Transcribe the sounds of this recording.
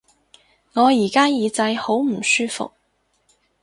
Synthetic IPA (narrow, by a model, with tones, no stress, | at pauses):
ŋɔː˨˧jiː˨˩kaː˥jiː˨˧t͡sɐ˧jho˨˥wm̩˨˩syː˥fʊ̰˨k̚